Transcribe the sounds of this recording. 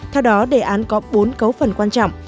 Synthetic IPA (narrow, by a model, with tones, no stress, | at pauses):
t̪ʰɛ˧wɗɔ˨˦ɗe˨˩ʔaː˨˦nkɔ˨˦ɓo˨˦nkə˨˦wfə˨˩nkwaː˧nt͡ɕɔ̰˧˨ŋ͡m